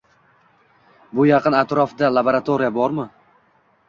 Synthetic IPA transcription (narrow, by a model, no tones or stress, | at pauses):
bʊjɑqʰɨnat̪ɾɒfd̪alˠaboɾat̪ʰoɾijabɒɾmɪ